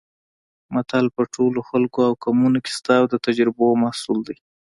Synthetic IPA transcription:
mat̪ʰalpəʈʰoloxalkoawkamunokɪ̥st̪awd̪ət̪ad͡ʒɾɪbomahsuld̪aj

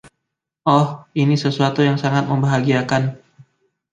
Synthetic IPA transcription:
ʔɔhinisəsuat̪ujaŋsaŋat̪̚məmbaɦaɡiakan

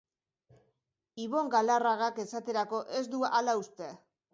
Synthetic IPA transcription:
iβo̞ŋɡalaraɣake̞sat̪e̞ɾako̞ʔe̞zd̪ualaust̪e̞

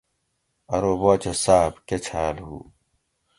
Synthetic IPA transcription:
ɐɾoːboːt͡ɕɐsaːbket͡ɕʰaːlhṵː

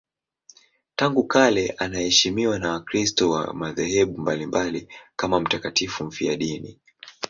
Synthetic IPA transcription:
taŋɡukalɛʔanahɛʃimiwanawakɾistɔwa̰maðɛhɛɓumbalimbalikamam̩takatifum̩fiaɗinḭ

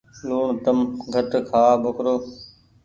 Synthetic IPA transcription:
luːɳt̪əmɡʱəʈkʰaːbʱʊkɾoː

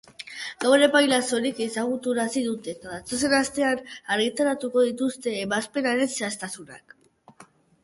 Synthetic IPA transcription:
ɡ̥aweɾe̞pajlaso̞ɾikesaɣut̪uɾasiðut̪e̞t̪aðat͡so̞se̞nast̪e̞anaɾɣit̪aɾat̪uko̞ðit̪ust̪e̞ːβaspe̞naɾe̞nse̞ast̪asuna̰k

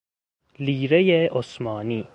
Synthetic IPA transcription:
liːɾejeʔosmɑːniː

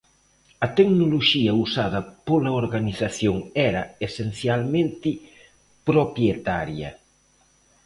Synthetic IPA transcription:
ɐt̪eknoloʃiɐusaðɐpolɐoɾɣaniθaθjoŋɛɾɐesen̟θjalmẽnt̪ɪ | pɾopɾjet̪aɾjɐ̰

